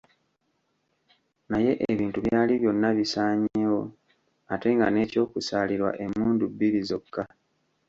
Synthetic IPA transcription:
naje̞ʔeβiːntuβjaːliβjo̞nːaβisaːɲewo̞ | ate̞ŋɡa̰ne̞ːco̞ːkusaːliɾwa̰ʔe̞muːndubːiɾizo̞kːa

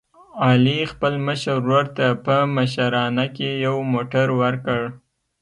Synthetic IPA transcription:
ɑlixpəlməʃəɾːoɾt̪apəməʃaɾɑnakejawmoʈaɾwəɾkəɽ

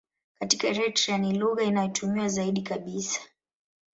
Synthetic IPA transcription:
katikaɾɛtɾianiluɣainajɔtʰumiwazaiɗikaɓisḁ

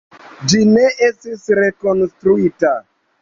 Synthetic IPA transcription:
d͡ʒine̞e̞stisɾe̞ko̞nstɾuita

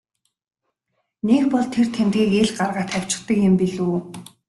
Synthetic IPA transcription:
nekpɔɮt̪ʰert̪ʰemt̪ɣiːkeɮɢarʁaːt̪ʰaw̥ʲt͡ɕɪ̆χt̪ə̆kjɪ̆mpiɮuː

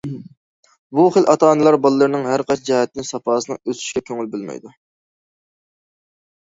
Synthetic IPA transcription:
buχəlʔɑt̪ʰɑːnɨlˠɑɾbɑlˠɨːəɾnɨŋɦæɾqɑt͡ʃʰd͡ʒɛhɛt̪ːɪnsɑpɑːsɨnɨ̰ŋøsy̥ʃkʲɛkʲʰøŋylbølˠmɛ̰jd̪u

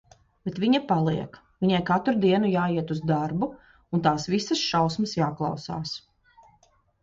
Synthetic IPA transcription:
b̥et̪ʋiɲɐpalˠiɛk | viɲajkat̪ɾud̪iɛnujaːiɛt̪uzd̪aɾbu | unt̪aːsʋisɐsʃawsmɐsjaːklˠɑ̰wsa̰ːs

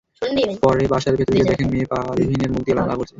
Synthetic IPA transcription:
pɔɾebaʃaɾbʱet̪oɾiked̪ɛkʰenmepalbʱineɾmuk̚t̪ilamala̰koɾt͡ɕʰe

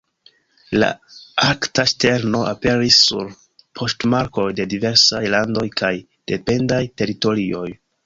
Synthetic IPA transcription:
la̰aktaʃte̞ɾno̞ʔape̞ɾisːṵɾ | pʰo̞stmaɾko̞jde̞dive̞ɾsajlando̞jkʰaj | d̥e̞pe̞ndajte̞ɾito̞ɾio̞j

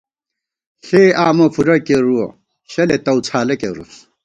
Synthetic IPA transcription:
ɬeːaːmopʰuɾɐkeɾuo | ɕɐlet̪ɐwt͡sʰaːlɐkeɾṵs

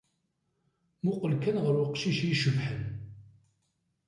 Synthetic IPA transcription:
mʊqəlkænʁəɾwəqʃiʃjiʃəvħən

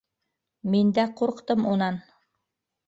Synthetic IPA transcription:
mind̪æquɾqt̪ɤmunɑn

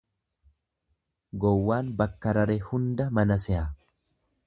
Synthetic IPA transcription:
ɡɔwːaːnbɐkːɐɾɐɾehʊnd̪ɐmɐnɐsɛa

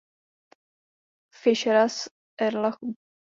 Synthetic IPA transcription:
fɪʃɛɾas | ʔɛɾlaxu

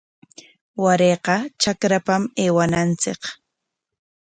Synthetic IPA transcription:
waɾeːqɑt͡ʃakɾapameːwanant͡sɪ̰k

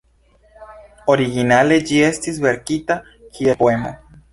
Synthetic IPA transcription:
o̞ɾiɣinale̞d͡ʒie̞st̪izβe̞ɾkit̪a | kʰiepoemo̰

